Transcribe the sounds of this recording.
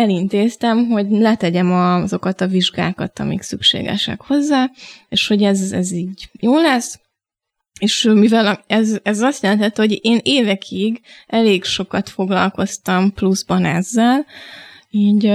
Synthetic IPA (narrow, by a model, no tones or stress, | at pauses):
ɛlint̪eːst̪ɛmɦo̞ɟlɛt̪ɛɟɛmɒzo̞kɒt̪ɒviʒɡa̰ːkɒt̪ɒ̰mḭksykʃḛːɡɛ̰ʃɛ̰kho̞zːaːeːʃho̞ɟɛzɛziːɟjoːlɛs | eːʃmivɛlɛzɛzɒst̪jɛlɛnhɛt̪ːyho̞ɟeːneːvɛkʰiɡɛleːɡʃo̞kɒt̪fo̞ɡlɒ̰lko̞st̪ɒmpluzbɒnɛzːɛl | iːɟ